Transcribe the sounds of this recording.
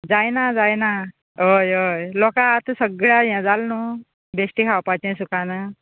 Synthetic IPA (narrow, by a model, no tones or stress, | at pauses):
d͡zajnad͡zajna | ɦojojlɔkat̪əsəɡɭjajãd͡zalnu | besʈikʰawpat͡ɕẽsukana